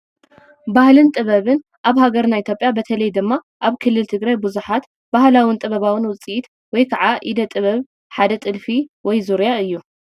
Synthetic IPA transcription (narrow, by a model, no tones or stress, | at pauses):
bahlɨnt̪ʼɨβɐβɨn | ʔaβhaɡɐɾnait̪jopʼjabɐt̪ʰɐlɐjd̪ɨmːa | ʔaβkʰɨlːɨlt̪ʰɨɡɾajbɨzuħat̪ | b̥ahlawɨnt̪ʼɨβɐβawɨnwʊt͡sʼit̪ | wɔjkʰaʕaʔid̪ɐt̪ʼɨβɐβ | ħad̪ɐt̪ʼɨlfiwɔjzuɾjaɨjːu